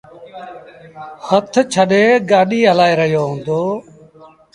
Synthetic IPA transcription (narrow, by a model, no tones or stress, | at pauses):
hət̪ʰt͡ʃʰəɗeːɡaːɗiːɦəlaːeːɾəɦjoːɦõːnd̪oː